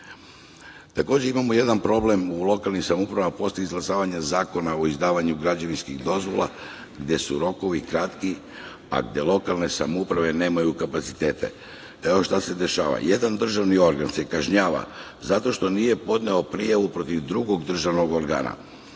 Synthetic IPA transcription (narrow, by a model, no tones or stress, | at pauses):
t̪ako̞ːd͡ʑe̞imamoje̞d̪anpɾo̞ble̞mulˠo̞kalˠnixsamoupɾaʋamapo̞slʲeizɡlˠasaːʋaɲazaːko̞nao̞izd̪aːʋaɲuɡɾad͡ʑaʋinskiɣd̪o̞zʋo̞̰lˠa̰ | ɡd̪je̞suɾo̞ko̞ʋikɾat̪ki | a̰ɡd̪je̞lˠo̞kalˠne̞samoupɾaʋe̞ne̞ːmajukapat̪si̥t̪e̞ːt̪e̞̰ | eo̞ʃt̪ase̞d̪e̞ʃa̰ːʋa̰je̞d̪and̪r̩ʒaʋnio̞ɾɡanse̞kaʒɲaːʋa̰ | zat̪o̞ʃt̪o̞nije̞po̞d̪ne̞o̞pɾijaʋupɾo̞t̪iʋd̪ɾuɡo̞ɡd̪r̩ʒaʋno̞ɡo̞ɾɡa̰ːna̰